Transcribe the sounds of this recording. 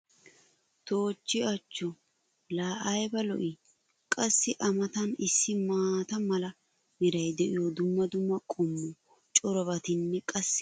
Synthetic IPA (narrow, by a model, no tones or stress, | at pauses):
t̪oːt͡ʃːɪɐt͡ʃːɔ | laːʔɐjbɐlɔ̰ʔɪ | kʼɐsːɪʔɐmɐt̪ɐnɪsːɪmaːt̪ɐmɐlɐ | hɪɾɐjd̪ɛʔɪjod̪ʊmːɐd̪ʊmːɐkʼɔmːɔ | t͡ʃʼɔɾɔβɐt̪ɪnːɛkʼɐsː